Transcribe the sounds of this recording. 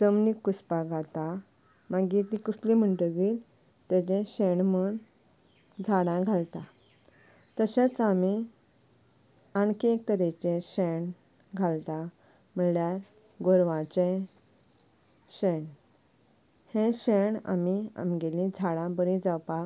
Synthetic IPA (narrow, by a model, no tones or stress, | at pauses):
d͡zəmnikːuspaɡʱat̪a | maɡit̪ĩkuslĩm̤əɳʈəɡiːl | t̪ɛt͡ɕɛ̃ɕeɳməɳ | d͡zʱaɽãɡʱalt̪a | t̪əɕat͡sami | aɳkek̚t̪əɾet͡ɕɛ̃ɕɛɳ | ɡʱalt̪ã | məljaɾ | ɡoɾʋãt͡ɕɛ̃ | ɕeɳ | hẽɕeɳa̰mia̰miɡelĩd͡zʱaɽãbəɾĩd͡zawpa